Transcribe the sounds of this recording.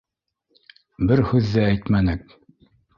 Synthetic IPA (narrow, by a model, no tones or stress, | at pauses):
bɘɾhʉðːɘæjt̪mænɘk̚